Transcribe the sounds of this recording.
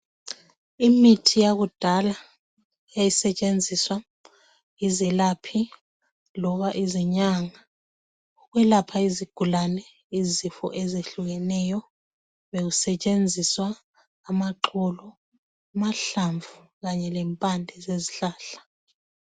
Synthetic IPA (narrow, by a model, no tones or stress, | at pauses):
imitʰijaɣud̥ʱala | ejisɛt͡ʃʼend͡zʱiswa | izilapʰi | lɔβaʔiziɲaŋa | uɣwɛlapʰaiziɡ̥ʱulanɛ | izifɔ̰ʔezeɬuɣɛnɛjɔ | βeɣusɛt͡ʃʼend͡zʱiswaː | maǃʰulɔ | maɬaɱvʱu | ɣaɲɛlɛmpʼandʱɛzeziɬaːɬḁ